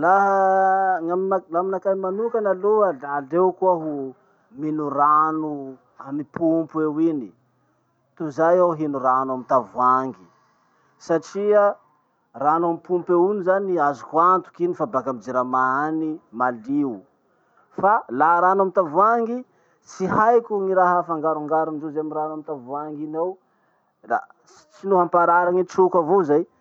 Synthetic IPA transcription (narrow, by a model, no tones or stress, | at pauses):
laɦəŋamalaminakajmanukanaloalalewkuaɦu | minuranu | amipʰumpuewini | t̪uzajaɦinuɾanamit̪avwaŋɡi̥ | saʈ͡ʂia | ranamipumpeunizaniazukwant̪u̥kinifabakamid͡ziɾamaanimaliu | falaɦɾanamit̪avuaŋɡi | t͡siɦajkʲuŋiɾaɦafaŋɡaɾuŋɡaɾand͡ʒozeamiɾanamit̪avuaŋɡinaw | la̰ | t͡sinuɦampaɾaɾaŋit͡sukavozaj